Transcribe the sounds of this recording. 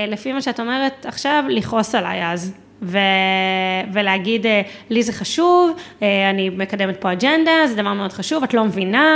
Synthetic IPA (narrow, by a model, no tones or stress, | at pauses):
lefimaʃeato̞me̞ʁetaχʃavliχo̞sala̰jaz | ve | veleaɡidelizeχaʃuveanime̞kademet̪̚po̞ad͡ʒend̪azed̪avaʁmeo̞d̪χaʃuvatlo̞mevina